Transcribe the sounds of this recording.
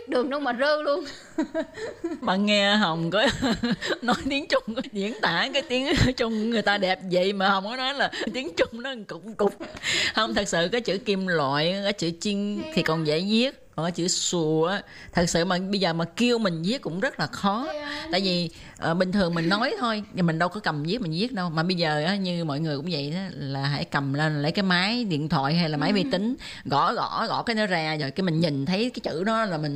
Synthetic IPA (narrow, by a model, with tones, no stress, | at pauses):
ɗɨ˨˩əŋnʊ˨˦wmaː˨˩zə˧əlu˧ən | maː˨˩ŋɛ˧ɦə˨˩wŋ͡mkɔ˨˦ | nɔ˨˦jt̪i˨˦əŋt͡ɕʊ˧ŋ͡mɗḭ˧˩ənt̪aː˧˩kaː˨˦jt̪i˨˦əŋ˧˦t͡ɕʊ˧ŋ͡mŋɨ˨˩əjt̪aː˧ɗɛ˨˩p̚zə̰˧˨jmaː˨˩hə˨˩wŋ͡mkɔ˨˦nɔ˨˦jlaː˨˩˦jt̪i˨˦əŋt͡ɕʊ˧ŋ͡mnɔ˨˦˨kʊ̰˧˩ŋ͡m̚kʊ˨˩k͡p̚hə˧wŋ͡mt̪ʰə˨˩k̚sɨ̰˧˨kaː˨˦jt͡ɕɨ̰˧˥ki˧mlwa̰ː˧˨jkaː˨˦jt͡ɕɨ̰˧˥t͡ɕi˧ŋt̪ʰi˨˩kɔ˨˩nzɛ̰ː˧˩zi˦˥ət̚kɔ˨˩nkaː˨˦jt͡ɕɨ̰˧˩su˨˩əʔaː˨˦ | t̪ʰɨ˨˩t̚sɨ̰˧˨maː˨˩ɓə˧jzəː˨˩maː˨˩ki˧əwmï˨˩ŋ̟zi˦˥ək̚kʊ̰˧˥ŋ͡mzə˦˥t̚laː˨˩xɔ˨˦t̪a̰ː˧˨jvi˨˩ | ʔəː˨˩ɓï˨˩ŋt̪ʰɨ˨˩əŋmï˨˩ŋ̟nɔ˨˦jt̪ʰo˧jmi˨˩ŋ̟ɗə˧wkɔ˨˦kə˨˩mzi˦˥k̚mï˨˩ŋ̟zi˦˥ət̚ɗə˧wmaː˨˩ɓə˧jzəː˨˩ʔaː˨˦ɲɨ˧mɔ̰˧˨jŋɨ˨˩əjkʊ̰˧˥ŋ͡mvə̰˧˨jʔaː˨˦laː˨˩ɦa̰˧˥jkə˨˩mle˧n˨lə˨˧˦jkaː˨˦jmaː˨˦jɗḭ˧˨ənt̪ʰwa̰ː˧˨jɦa˧jlaː˨˩ma˨˦jvi˧t̪ï˨˦ŋ̟ | ɣɔ̰˧˥ɣɔ̰˧˥ɣɔ̰˧˥kaː˨˦jnɔ˨˦zaː˨˩zo˨˩jki˧mï˨˩ŋ̟ɲï˨˩ŋ̟t̪ʰə˨˦jkaː˨˦jt͡ɕɨ̰˧˥ɗɔ˨˦laː˨˩mï˨˩ŋ